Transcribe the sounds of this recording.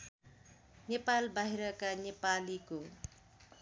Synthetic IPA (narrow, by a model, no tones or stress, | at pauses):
nepalbaɦiɾʌkanepaliko